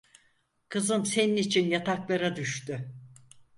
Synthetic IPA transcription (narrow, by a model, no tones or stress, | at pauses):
kʰɯzɯnse̞ninit͡ʃʰinjat̪ʰaklˠaɾad̪yʃt̪y